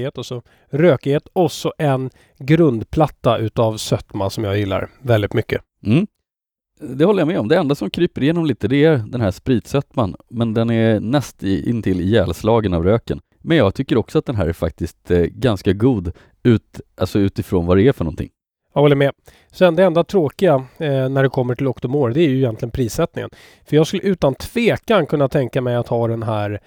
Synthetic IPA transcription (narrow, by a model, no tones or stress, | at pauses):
eːt̪ɔsɔ | ɾøːkɪheːt̪ɔsɔʔɛn | ɡɾɵnd̪pʰlat̪ːaʔʉ̟ːt̪avsœt̪mansɔmjaːjɪlːa̰ɾvɛld̪ɪt̪mʏkːə | m̩ː | d̪ɛhɔlːəjamɛːɔmd̪ɛɛnd̪asɔmkʰɾyːpəɾɪjeːnɔmliːt̪əd̪ɛæɾd̪ɛnɦæʂpɾiːt̪sœt̪manmɛnd̪ɛnæɾnɛst̪ɪ̰nt̪ʰɪlːɪjɛːlslɑːɡənavɾøːkən | mɛnjɑːɡt̪ʰʏkːəɾɔksɔat̪̚d̪ɛnɦæ̰ːɾæɾfa̰k̚t̪ɪst̪ɡanskaɡuːd̪ | ʉ̟ːt̪ʔalsɔʉ̟ːt̪ɪfɾo̰ːnvaɾɛæɾfœɳɔnt̪ʰɪ̰ŋː | jɑɡɔlːəɾmɛ | sɛnd̪ɛɛnd̪at̪ʰɾoːkɪɡanæɖɛkʰɔmːəʈʰɪlɔkt̪ɔmoːɾd̪ɛæɾjɵɪjɛnt̪lɪɡənpʰɾiːsɛt̪nɪŋə̰n | fœjɑɡskɵləʔʉ̟ːt̪ant̪ʰv̥eːkankʰɵnːat̪ʰɛŋkamɛjat̪hɑːd̪ɛnɦæɾ